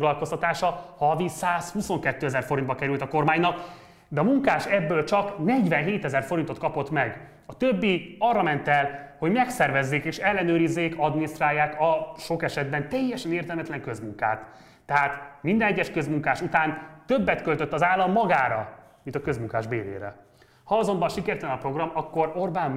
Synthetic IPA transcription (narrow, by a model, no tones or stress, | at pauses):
ɡlɒlko̞st̪ɒt̪aːʃɒhɒvisaːshuso̞ŋkɛt̪ːøːɛzɛrfo̞ɾint̪̚bɒkɛɾylt̪ɒko̞rmaːɲnɒk | d̪ɛɒmuŋkaːʃɛbːøːlt͡ʃɒknɛɟvɛnɦeːt̪ɛzɛrfo̞ɾint̪o̞t̪kɒpo̞t̪mɛɡ | ɒt̪øbːiɒrːɒmɛnt̪ɛlho̞ɟmɛksɛrvɛzːeːkeːʃɛlːɛnøːɾizːeːkɒd̪minist̪raːjːaːkɒʃo̞kɛʃɛd̪̚bɛnt̪ɛjːɛʃɛneːrt̪ɛlmɛt̪lɛŋkø̞zmuŋka̰ːt̪ː | ɛɦaːt̪mind̪ɛnɛɟːɛʃkø̞zmuŋkaːʃut̪aːnt̪øbːɛt̪kø̞lt̪ø̞t̪ːɒzaːlːɒmːɒɡaːɾɒ̰ | mint̪ɒkø̞zmuŋka̰ːʒbḛːɾḛːɾɛ̰ | hɒɒzo̞mbɒnʃikɛrt̪ɛlɛnɒpro̞ɡrɒmɒkːo̞ɾorbaːm